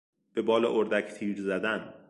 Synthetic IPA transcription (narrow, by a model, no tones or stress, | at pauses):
b̥e̞bɒːleʔoɾd̪ækt̪ʰiːɾzæd̪æn